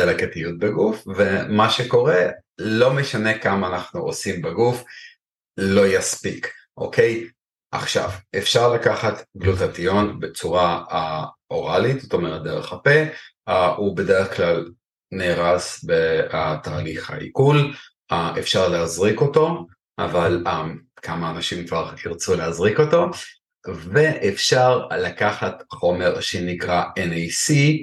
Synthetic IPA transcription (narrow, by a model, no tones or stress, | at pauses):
elaketijut̚beɡufvemaʃe̞ko̞ʁe̞lo̞meʃane̞kamaːnaχnuosimbeɡuf | lo̞jaspik | ʔo̞̰kej | ʔa̰χʃa̰vefʃaʁlakaχat̪ɡlotatijo̞nbe̞t͡suʁaaʔo̞ʁalit̪z̥ot̪o̞meʁet̪̚d̪eʁeχape̞ | ube̞deʁeχklal | neːʁasbeat̪aːliχha̰ʔḭkul | aefʃaʁleazʁiko̞to̞ | ʔa̰valakʰamaːnaʃimkvaʁiʁt͡suleazʁiko̞to̞ | veʔefʃaʁlakaχatχo̞me̞ʁʃenikʁaenejsi